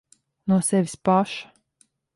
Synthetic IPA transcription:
nuɔsɛvʲispaʃḁ

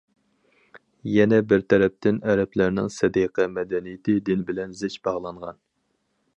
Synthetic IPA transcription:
jɛnɛbɪɾt̪ʰɛɾɛp̚t̪ʰɪnɛɾɛplæɾnɪ̰ŋsɛd̪iqʰɛmɛd̪ɛnijt̪ʰɪd̪ɪnbɪlɛnzɪt͡ʃb̥ɑʁlˠɑɴʁɑn

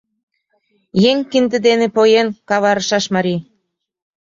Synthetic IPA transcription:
jeŋʲkind̪ɘ̆d̪enĕpojenkɑβɑɾəʃɑʃmɑɾi

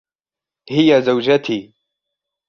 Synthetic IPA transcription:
hɪjazawd͡ʒat̪iː

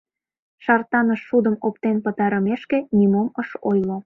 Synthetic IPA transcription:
ʃɑrt̪ɑnəʃːud̪əmopt̪enpət̪ɑɾəmeʃkenimoməʃojlo

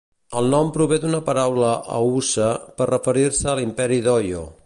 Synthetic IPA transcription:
əlˠnɔmpɾuβed̪unəpəɾawləʔə̰usəpərəfəɾiɾsəːlimpɛɾiðɔjo̰

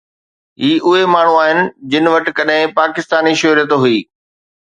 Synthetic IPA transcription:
ɦiːʔʊɦemaːɳ̤ũaːɦɪnɪ̆d͡ʑɪnɪ̆ʋɐʈ̆kɐɗɦɪ̃paːkɪst̪aːniʃʊɾjət̪ɦʊiː

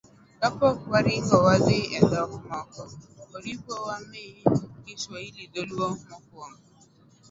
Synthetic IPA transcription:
kapɔkuwaɾikɔwadɪɛdɔɾʊmɔkɔoɾikʷowan̩iːɦɪisailidoluɔmɔk̚ʊɔŋʊ

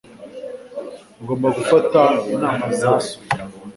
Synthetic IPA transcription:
ɡombakufataunahaza

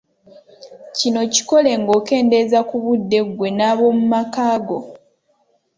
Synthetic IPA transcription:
cino̞ci̥ko̞le̞ŋɡo̞ːke̞ːnde̞zakuβudːe̞ɡwe̞naβo̞mumakaːɡo̞

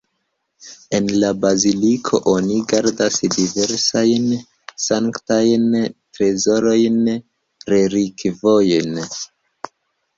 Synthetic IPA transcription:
e̞nlabazilikʰo̞̰ʔoniɡaɾdasdive̞ɾsajn | saŋktajntɾe̞zo̞ɾo̞jn | ɾe̞ɾikvo̞jn

